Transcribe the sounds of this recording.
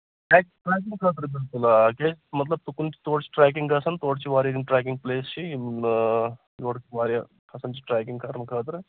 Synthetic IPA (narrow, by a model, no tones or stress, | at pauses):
ʈaːk̚ʈɾaːk̬ĩŋɡkʰaːt̪̬ɾeb̪ɪlkulakʲemɐt̪lɐb̚t̪ukunt͡ʃʰi̥t̪oːɽt͡ʃʰi̥ʈɾɛːk̬iŋɡkʰɐsɐnt̪oːɽt͡ʃʰiʋaːɾjɐd̪inʈɾɛːk̬iŋɡ̚pleːst͡ʃʰi | joːɽt͡ʃʰiʋaːɾja | kʰɐsɐnt͡ʃʰi̥ʈɾaːkĩŋɡkʰɐɾɐnkʰaːt̪ɾe